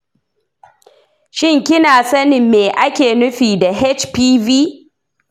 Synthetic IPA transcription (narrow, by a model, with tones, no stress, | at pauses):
ʃɪ˦ŋkʲɪ˦naː˨sɐ˦nɪ˨mːeː˨ʔa˦kʲeː˨nʊ˦ɸiː˨da˨ɦe˦t͡ʃpiː˦viː˦